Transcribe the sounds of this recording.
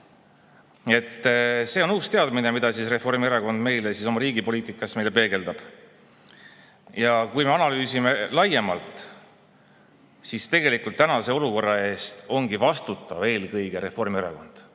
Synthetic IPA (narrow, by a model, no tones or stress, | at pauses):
e̞t̪ːse̞ːo̞nuːst̪eɑd̪mine̞mid̪̥ɑsisre̞fo̞rmieɾɑko̞nd̪me̞jlesiso̞mɑɾiːɡipo̞liːt̪ˑikːˑɑsme̞jle̞pe̞ːɡe̞ld̪ɑb̥ | jɑkujme̞ɑnɑlyːsime̞lɑje̞mɑlt̪ˑ | sist̪e̞ɡ̥e̞likult̪ːænɑse̞o̞luko̞rːɑe̞ːst̪o̞ŋɡivɑst̪ut̪ːˑɑve̞ːlkɤjɡ̥e̞ɾe̞fo̞rmieɾɑ̰ko̞̰nd̪̥